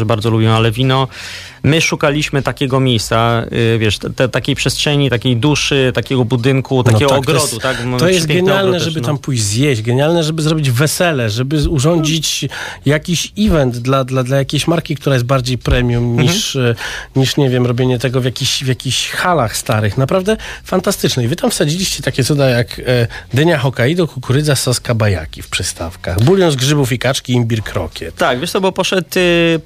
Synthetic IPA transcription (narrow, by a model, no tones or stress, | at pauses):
baɾd̪zɔlubʲɛ̃alɛvʲinɔ | mɘʂukalʲiɕmɘt̪akʲɛɡɔmʲjejst̪sa̰vʲjɛʂtt̪ɛt̪akʲejpʂɛstʂɛɲit̪akʲejd̪uʂɘt̪akʲɛɡɔbud̪ɘŋkut̪aɛɡ̪ɔaɔɡɾɔd̪ut̪akmɔt̪ɔjɛst̪ɡɛɲalnɛʐɛbɘt̪ampujzʲjeɕd͡ʑɡɛɲalnɛʐɛbɘzɾɔbʲid͡ʑvɛsɛlɛʐɛbɘuʐɔɲd͡ʑit͡ɕjakʲiɕivɛnd̪d̪lad̪lad̪lajakʲeɕmaɾkʲikt̪uɾajɛs̬t̪̚baɾd͡ʑejpɾɛmʲjumɲiʂ | ɲiʂɲɛvʲjɛmɾɔbʲjeɲɛt̪ɛɡɔvʲjakʲiɕvʲjakʲiɕxalaxst̪aɾɘxnapɾavd̪ɛfant̪ast̪ɘt͡ʂnɛivɘt̪amfsad͡ʑilʲiɕt͡ɕɛt̪akʲɛt̪sud̪ajakd̪ɛɲaxɔkaid̪ɔkukuɾɘd̪zasɔskabaja̰kʲifpʂɛst̪a̰fka̰xbulʲjɔnzɡʐɘbufikat͡ʂkʲiimbʲiɾkɾɔ̰kʲjɛt̪t̪akvʲɛʂt̪ɔbɔpɔʂɛt̪